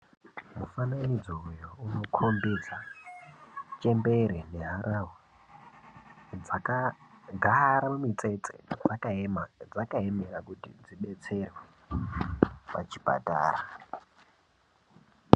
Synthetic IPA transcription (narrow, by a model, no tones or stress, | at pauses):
mufananid͡zoujouno̞kʰo̞mbed͡za | t͡ʃembe̞ɾeneɦaɾʔaɦwo | d͡zakaɡʱaɾamumit͡se̞t͡sḛd͡zakad͡zakaemerakutḭd͡ziɓe̞t͡se̞rwe | pa̰t͡ʃi̥pa̰ta̰ːra